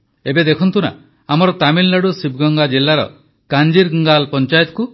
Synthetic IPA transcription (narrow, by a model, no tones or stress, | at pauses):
ebed̪ekʰɔnt̪una̰ | amɔɾɔt̪amillaɽusib̚ʱɡɔŋɡad͡ʒelːaɾɔ̰ | kand͡ʒiɾɡəŋɡalpɔnt͡ʃajɔt̪ku